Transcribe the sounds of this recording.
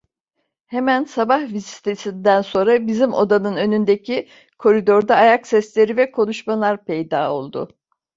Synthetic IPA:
hemænsabahvizi̥t̪ʰesind̪ænso̞nɾabizimo̞̰d̪anɯnø̞nynd̪ecʰi | kʰo̞ɾid̪o̞ɾd̪aːjaksɛslʲe̞ɾivɛkʰo̞nuʃmalˠaɾpʰejd̪aːo̞̰lˠd̪ʊ̰

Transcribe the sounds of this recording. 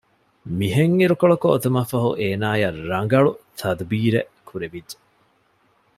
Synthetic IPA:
miɦeŋːiɾukoɭokoːt̪ɐmɐfɐɦṵʔeːnaːjɐɾɾɐŋ̆ɡɐɭut̪ʰɐd̪biːɾe | kʰuɾeʋid͡ʒːe

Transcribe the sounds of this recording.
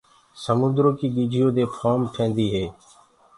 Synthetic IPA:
səmʊ̃nd̪ɾoːkiːɡiːd͡ʒʱɪjoːd̪eːpʰaːmʈʰẽːnd̪iːɦeː

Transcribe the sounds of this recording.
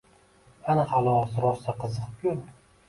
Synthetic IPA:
anaχalˠɒʁsʊɾɒɾsaqʰɨzɨq̚kʰʲʊ

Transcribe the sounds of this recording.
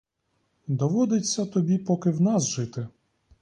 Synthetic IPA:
d̪ɔʋɔd̪ɪt͡sʲːɐt̪ɔbʲipɔkɪwnɑsʒɪt̪ɪ

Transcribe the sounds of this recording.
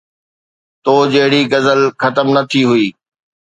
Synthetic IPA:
t̪oːd͡ʑɐɦɪɽiɡɐzəlxɐt̪əmnɐt̪ʰiɦʊiː

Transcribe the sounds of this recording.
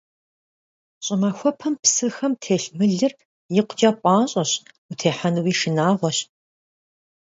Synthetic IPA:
ɕʼɪmaxʷɔpʰɐmpsɨxɐmtʰeːɬmɨɮɨr | jɪqʷd͡ʒaːpʷʼɑːɕʼɐɕ | utʰeːħanɨwiːʃɪnaːʁʷɔɕ

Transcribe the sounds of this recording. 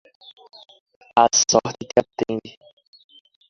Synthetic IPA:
asɔɾt͡ʃɪkɪat̪ẽd͡ʒɪ

